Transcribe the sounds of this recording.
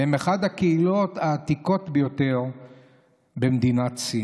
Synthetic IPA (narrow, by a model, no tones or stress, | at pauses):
emeχad̪hakeilo̞t̪aːt̪iko̞t̪bejo̞t̪e̞ʁ | bemd̪inatt͡si